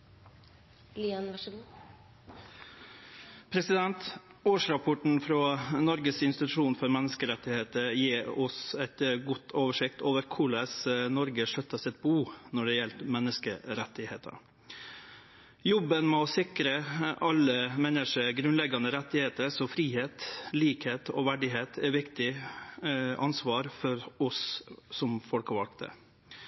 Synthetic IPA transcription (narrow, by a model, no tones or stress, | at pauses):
liənʋɑɡu | pʰɾɛsɪd̪ɛnt̪oːʂɾɑpʰɔʈɳ̩fɾɑːnɔɾɡəsɪnst̪ɪt̪ʉʂuːnfɔɾmɛnəskəɾɛt̪ːɪheːt̪əɾjeːɔsɛt̪ɡʊt̪ʰoːʋəʂɪkt̪ʰoːʋəɾkʰʊɭɛsnɔɾɡəʂœt̪ːɑsɪt̪̚buːnɔɖɛjɛlt̪mɛnːəskə̰ɾɛt̪ːɪheːt̪ʰə̰ɾ | jɔbːənmɛɔsɪkɾəʔɑlːəmɛnːəʂəɡɾʉnlɛɡɑnəɾɛt̪ːɪheːt̪əɾsɔfɾiːheːt̪liːkheːt̪ʰɔ̰ʋæɖɪɦeːt̪ʰɛʋɪkt̪ɪ | ʔɑnsʋɑːɾfɔɾɔsːɔmfɔlkəʋɑlkt̪ə̰